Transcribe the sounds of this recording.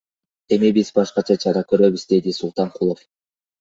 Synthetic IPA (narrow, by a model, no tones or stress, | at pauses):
e̞mibizbɑʃqɑt͡ʃʰɑt͡ʃʰɑɾɑkø̞ɾø̞βyzd̪e̞d̪isulˠt̪ɑɴqʰulˠof